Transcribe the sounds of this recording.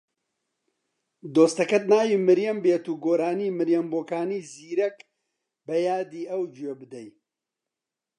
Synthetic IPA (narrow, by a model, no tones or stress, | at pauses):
d̪oːst̪ɐkɐt̪naːjiːmɨɾjɛmbeːt̪uːɡoːɾaːniːmɨɾjɐmboːkaːniːziːɾɛk | bɛjaːd̪iːɐwd͡ʒuebɨd̪ɛj